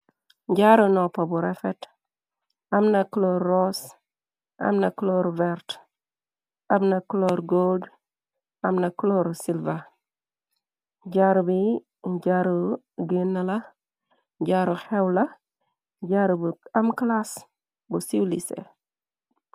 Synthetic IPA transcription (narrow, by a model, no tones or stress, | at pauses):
ɟaɾunɔpːabuɾɛfɛt | ɐmnɐklɔɾːɔs | ʔɐ̰mnɐkloɾvɛɾt | ɐmnɐklɔɾɡod | ɐmnɐkloɾsilva | ɟaɾubi | ɟaɾu | ɡinːala | ɟaɾuxɛwlɐ | ɟaɾubɐmklas | busiwlisḛ